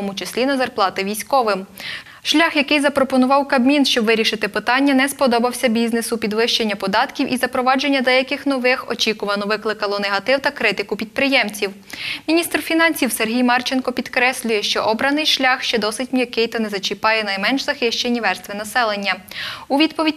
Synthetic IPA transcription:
ɔmʊt͡ʃɪsʲlʲinɐzɐrplˠɑt̪ɪʋʲijsʲkɔʋɪm | ʃlʲaxjɐkɪjzɐpɾɔpɔnʊʋɑwkɐbmʲinʃt͡ʃɔbʋɪɾʲiʃɪt̪ɪpɪt̪ɑnʲːɐnɛspɔd̪ɔbɐwsʲɐbʲiznesʊpʲid̪ʋɪʃt͡ʃenʲːɐpɔd̪ɑt̪kʲiwʔizɐpɾɔʋɑd͡ʒenʲːɐd̪ɛjɐkɪxnɔʋɪxɔt͡ʃʲikʊʋɐnɔʋɪklˠɪkɐlˠɔnɛɦɐt̪ɪwt̪ɐkɾɪt̪ɪkʊpʲid̪̚pɾɪjɛmt͡sʲiw | mʲinʲist̪rfʲinɑnʲsʲiwserɦʲijmɑrt͡ʃenkɔpʲid̪kɾɛsʲlʲʊjɛʃt͡ʃɔʔɔbɾɐnɪjʃlʲɑxʃt͡ʃɛd̪ɔsɪtʲmjɐkɪjt̪ɔnɛzɐt͡ʃɪpɑjɛnɐjmɛnʃzɐxɪʃt͡ʃenʲːiʋɛrst̪ʋʲinɐsɛlˠenʲːɐuʋʲid̪pɔʋʲidʲ

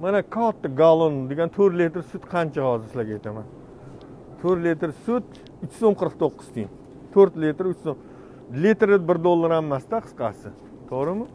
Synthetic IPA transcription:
manakʰat̪ːaɡalˠond̪eɡʲant̪ʰɵɾlʲet̪ɾsʊt̪qʰɑnt͡ʃʰahɒzɪɾsɪlaɡʲajt̪ʰaman | t̪ʰɵɾlit̪ɾsʊt̪ | ʊt͡ʃsomqʰɨɾɨqt̪ʰoqːɨ̥z̥t̪ʰijɪn | t̪ʰɵɾt̪lit̪ɾʊt͡ʃsom | lit̪ɾɪbɪɾd̪olˠːaɾamːast̪aqʰɨ̥sqɑ̰sɪ | t̪ʰoʁɾɪmɪ

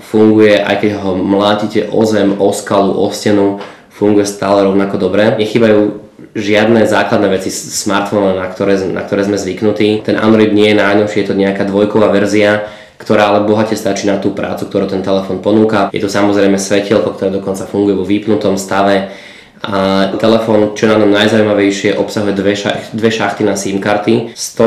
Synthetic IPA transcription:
fuŋɡujɛʔa̰jkɛɟɦɔmlaːcicɛʔɔ̰zɛmɔskaluʔɔscɛnu | fuŋɡujɛst̪aːlɛɾɔʊnakɔd̪ɔbɾɛːɲɛxiːbajuː | ʒɪad̪nɛzaːklad̪nɛʋɛt͡sismaɾt̪fɔnɔnakt̪ɔɾɛːna̰kt̪ɔɾɛːzmɛzʋiknut̪iːt̪ɛnʔa̰nd̪ɾɔlid̪ɲɪɛjɛnajnɔʊʃɪɛjɛt̪ɔɲɛakaːd̪ʋɔjkɔʋaːʋɛɾzia | kt̪ɔɾaːalɛbɔɦacɛst̪at͡ʃiːnat̪uːpɾʔa̰ːt͡su̥kt̪ɔɾuːt̪ɛnt̪ɛlɛfɔːnpɔnuːkajɛ̰t̪ɔsamɔzɾɛjmɛsʋɛcilˠkɔk̚t̪ɔɾɛːd̪ɔkɔnt͡safuŋɡujɛʋɔʋiːpnut̪ɔmst̪aʋɛ | at̪ɛlɛfɔːnt͡ʃɔnaɲɔmnajzauimaʋɛjʃɪɛʔɔpsaɦujɛd̪ʋɛʃa̰xd̪ʋɛʃaxt̪inasiːmkaɾt̪ist̪ɔ

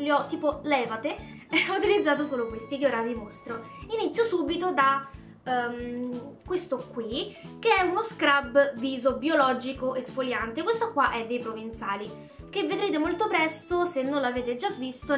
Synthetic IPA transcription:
liɔt̪ːiːpolɛːvat̪eɔut̪ilid̪zaːt̪̬osoːlokwest̪iɡoɾavimost̪ɾo | init̪sːjosuːbit̪od̪a | kwest̪okwi | keɛunoskɾabviːzobiolɔːd͡ʒikoʔesfoljant̪ekwest̪okwaʔɛd̪ːejpɾovint̪saːli | kevːed̪ɾeːt̪emolt̪opɾɛst̪osenːõnlaveːt̪ed͡ʒːavːist̪o

